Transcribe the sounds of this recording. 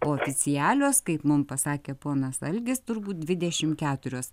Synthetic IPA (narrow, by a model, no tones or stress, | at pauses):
oːɔfʲɪt͡ssʲɪjæːlʲoːskɐɪpmʊmpɐsɑːkʲeːpoːnɐsɐlʲɡʲɪst̪ʊɾbuːt̪̚d̪ʲʋʲɪd̪ʲɛʃʲɪmkʲæːt̪ʊɾʲoːs